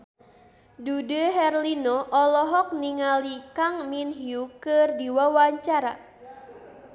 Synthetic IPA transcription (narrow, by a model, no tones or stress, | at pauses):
dudəɦɛrlinɔʔɔlɔɦɔk̚niŋalikaŋminɦiukɨrdiwawaɲt͡ʃaɾa